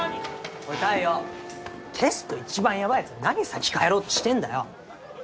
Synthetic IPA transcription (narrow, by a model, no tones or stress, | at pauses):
ot̪aijo | t̪ʰe̞sɨ̥t̪o̞it͡ɕibãɰ̃jaβait͡sɨnaɡ̟ʲisakʲi̥kaeɾo̞ːt̪ːo̞̥ɕi̥t̪ẽ̞nd̪ajo̰